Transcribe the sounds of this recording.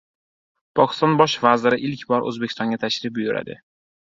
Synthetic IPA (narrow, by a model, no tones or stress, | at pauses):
pʰɒkʲɪ̥st̪ɒnbɒʃvazɪɾɪʔɪlkʲbɒɾʔɵ̰zbekʲʰɪst̪ɒ̃ŋɡʲat̪ʰaʃɾɪp̚ʊjʊɾa̰d̪ɪ̰